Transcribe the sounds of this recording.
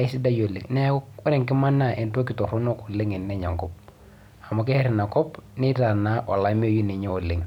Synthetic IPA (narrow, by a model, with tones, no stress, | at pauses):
ɪ˦si˦da˦jo˨lɪ̰˨ŋnɛ˦ɔ˦nɛ˨ŋkɪ˦ma˦na˨ʔɛ˨nto˦k̬ɪ˨tɔ˨ɾu˦nɔ˦ku˨lɪ˦ŋɛ˨nːɛ˦ɲa̰˨ŋkɔ˦p̚ | a˨ma˨k̬ɛ˦hɛ˦ɾɪ˨na˨kɔ˦pnɪ˦ta˨na˦wa̰˨la˨˦mi˦o˨ju˦ni˨ɲɛ˦ɔ˨lɪ˦ŋ